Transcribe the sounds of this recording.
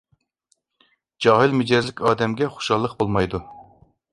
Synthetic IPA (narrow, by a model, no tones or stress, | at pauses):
d͡ʒɑːɦɨlmed͡ʒɛzlɪkʲɑːd̪ɛmɡʲɛχo̥ʃɑlˠːəq̚bolˠmɑjd̪u